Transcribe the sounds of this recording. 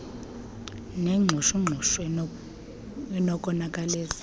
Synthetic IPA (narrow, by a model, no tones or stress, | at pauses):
neŋ͡ǁʱuʃuŋ͡ǀʱuʃ | ɛnɔkʼɔnakʼaleːt͡sʼi̥